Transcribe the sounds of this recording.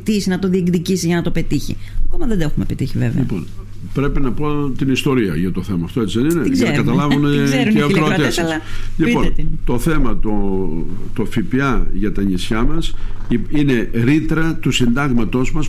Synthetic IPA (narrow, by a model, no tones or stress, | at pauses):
t̪isinɐt̪o̞ðieɡðicisiʝɐnɐt̪o̞pe̞t̪içḭkomɐðed̪oexumepet̪içivevḛʎiɐpo̞̰n | pɾe̞pinɐpo̞t̪inist̪o̞ɾiɐ̰ʝɐt̪o̞θe̞mɐːft̪oe̞t͡siðeninezɐneɐkɐt̪ɐlɐvuneeɐkɾoot̪sɐsʎipo̞nt̪o̞θe̞mɐt̪o | t̪o̞fipiɐʝɐt̪ɐɲisçɐmɐsiine̞ɾit̪ɾɐt̪usind̪ɐɣmɐt̪o̞zmɐs